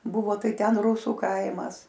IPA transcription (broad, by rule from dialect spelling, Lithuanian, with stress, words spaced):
ˈbʊʋoː ˈtɐɪ ˈtʲɛn ˈruːsuː ˈkɐɪmɐs